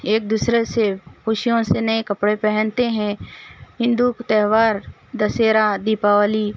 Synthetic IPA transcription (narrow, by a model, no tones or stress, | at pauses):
eːk̚d̪uːsɾesekʊʃijõsenɐikɐpɽepɛɦɛ̃nt̪eɦɛ̃ɦɪ̃nd̪ukt̪ɛɦʋaːɾ | d̪ɐseːɾad̪iːpaːʋəliː